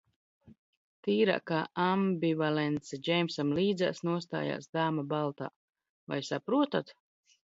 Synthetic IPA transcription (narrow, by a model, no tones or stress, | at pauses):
t̪iːɾa̰kaambʲivalɛnt̪sɛd͡ʒɛjmsamliːd̪za̰ːsnuɔst̪a̰ːja̰ːsd̪aːmabalˠt̪a̰ː | va̰jsapɾuɔt̪at̪